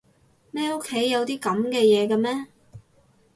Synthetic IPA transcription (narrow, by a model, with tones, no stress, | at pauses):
mɛː˥o˥kʰːe˨˥jːɐ˨˧wt̪iː˥kɐ˨˥mkɛː˧jɛː˨˧kɐ˧mɛː˥